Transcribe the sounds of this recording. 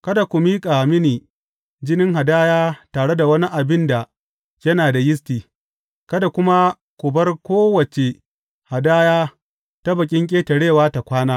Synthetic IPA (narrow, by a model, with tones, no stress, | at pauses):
kɐ˦da˨kʷu˨miː˦kʼa˨mɪ˦niː˨ | d͡ʒɪ˦nɪ˦ŋɦa˨daː˦jaː˦taː˨ɽe˦da˨wɐ˦ni˦ʔa˨bɪ˦nda˨ | jɐ˦naː˨da˨jɪ˦s̬tiː˨ | kɐ˦da˨kʷʊ˦ma˦ | kʷʊ˨bɐ˦rkʷoː˦wɐ˨t͡ʃe˨ | ha˨daː˦jaː˦ | ta˦bɐ˨kʲʼɪ˦ŋkʲʼeː˦tɐ˨ɽeː˦˨waː˦ta˨kʷaː˦naː˦